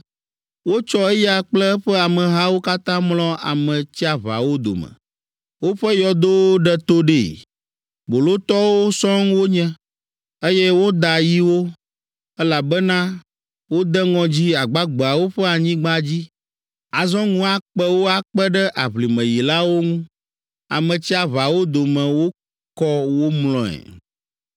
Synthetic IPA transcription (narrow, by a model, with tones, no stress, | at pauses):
wo˦t͡ʃɔ˦e˦ja˨k͡plɛ˦ɛ˦ɸɛ˦a˨mɛ̃˨ɦa˦wo˦ka˦t̪ã˦mlɔ̃˦a̰˨mɛ̃˨t͡ɕi˦a˨βa̰˨wo˦d̪o̰˨mɛ̰̃˨ | wo˦ɸɛ˦jɔ˨d̪o˦wɖɛ˦t̪o˦ɖe˨ | bo˨lo˦t̪ɔ˦wo˦sɔ̃˦ŋ˦wo˦ɲɛ̃˦ | e˦jɛ˦wo˦d̪a˨ji˦wo˦ | ɛ˦la˨bɛ˦nã˦ | wo˦d̪ɛ˦ŋɔ̃˨d͡ʑi˦a˨ɡ͡ba˦ɡ͡bɛ˨a˨wo˦ɸɛ˦a˨ɲĩ˦ɡ͡ba˦d͡ʑi˦ | a˨zɔ̃˦ŋũ˦a˨k͡pɛ˦wo˦a˨k͡pɛ˦ɖɛ˦ʔa˨βli˨mɛ̃˨ji˨la˦wo˦ŋũ˦ | a̰˨mɛ̃˨t͡ɕi˦a˨βa˨wo˦d̪o˨mɛ̃˨wo˦ | kɔ˦wo˦mlɔ̃˨ɛ̰˨